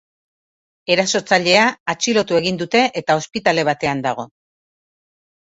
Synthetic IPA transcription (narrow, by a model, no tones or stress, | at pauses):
e̞ɾaso̞t͡saʎe̞aːt͡ʃilo̞t̪ue̞ɣ̞ind̪ut̪e̞ʔet̪ao̞spit̪ale̞β̞at̪e̞and̪aɣ̞o̞